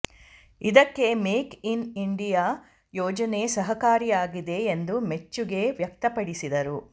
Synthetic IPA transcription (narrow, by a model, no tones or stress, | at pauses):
id̪ɐkːe̞meːkiniɳɖijaː | jɔːd͡ʒɐne̞sɐɦɐkaːɾijaːɡid̪e̞ːnd̪umet͡ʃːuɡe̞ʋjɐk̚t̪ɐpɐɽisid̪ɐɾu